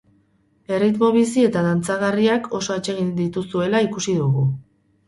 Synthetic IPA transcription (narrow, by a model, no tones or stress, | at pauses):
e̞rit̪mo̞βis̬ie̞t̪aðant͡saɣ̞ariakʰo̞so̞et͡ʃe̞ɣind̪it̪usue̞laikusiðuɣu